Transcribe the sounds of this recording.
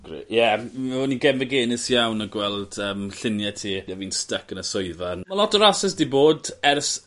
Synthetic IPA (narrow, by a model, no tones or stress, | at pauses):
ɡ̥rḛʔjɛɔniɡɛmvəɡeːnɪsjawnəɡwɛlˠd̥əːmɬɪnjɛtʰiːjaviːnstəkənəsɔɨvanmalˠɔtɔɾasɛsdiboːdɛrs